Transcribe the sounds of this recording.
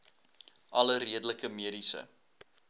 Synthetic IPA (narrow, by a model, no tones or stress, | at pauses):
ʔɐləriədələkəmiədisə̰